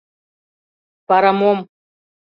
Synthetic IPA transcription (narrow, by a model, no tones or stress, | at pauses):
paɾamom